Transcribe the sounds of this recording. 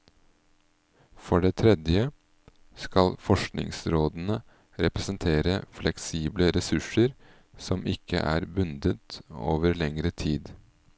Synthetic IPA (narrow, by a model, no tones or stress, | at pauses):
fɔɖeːt̪ʰɾɛd̪jə | skɑlfɔʂknɪ̰ŋsɾoːd̪n̩ə | ɾɛpɾɛsənt̪ʰeːɾəflɛksiːbləɾɛsʉʂəɾ | sɔmʔɪkʰːə̰ʔæ̰ːɾbʉnd̪ət̪o̰ːʋəɾlɛŋɾət̪ʰiːd̪